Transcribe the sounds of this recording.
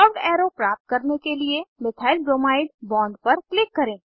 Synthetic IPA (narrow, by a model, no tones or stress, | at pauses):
səpɖɛːɾopɾaːp̚t̪̚kɐɾnekeliemɪt̪ʰaːɪlbɾoːmaːɪɖbɔ̃ːɳɖ̚pɐɾklɪkːɐɾẽː